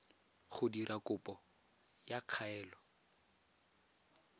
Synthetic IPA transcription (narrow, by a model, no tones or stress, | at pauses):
χʊdirʔakʊpɔ | jaq͡χʰaɛːlɔ